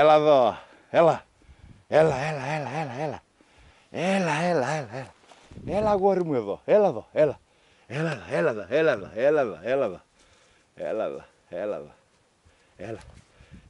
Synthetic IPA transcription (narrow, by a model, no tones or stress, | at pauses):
elaðɔ | ela | elaelaelaelaela | elaelaelaelaelaɣwoɾimueðoelaðoela | elalaelaðɔelaðɔ̰elaðɔ̰elaðɔ | ḛla̰ða̰ | ḛla̰ðɔ̰ | ela